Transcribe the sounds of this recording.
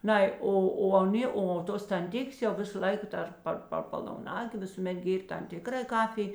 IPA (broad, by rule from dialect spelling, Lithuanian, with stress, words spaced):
ˈnɐɪ ˈoː oː ɐˈnʲeː oː ˈtoːs tɐnʲˈtʲɪkʲeːs jɛʊ ˈʋʲɪsɐ ˈlˠɐɪkɐ ˈdɐr ˈpɐr pɐr pɐlˠɐʊˈnɑːɡʲeː ˈʋʲɪsuːˌmʲɛt ˈɡʲeːrʲ tɐm ˈtʲɪkrɐ ˈkɑːfʲɪj